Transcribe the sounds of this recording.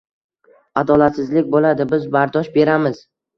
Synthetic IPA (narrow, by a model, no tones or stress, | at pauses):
ad̪ɒlat̪sɪzlɪkʲbolad̪ɪbɪzbaɾd̪ɒʃbe̞ɾamɪz̥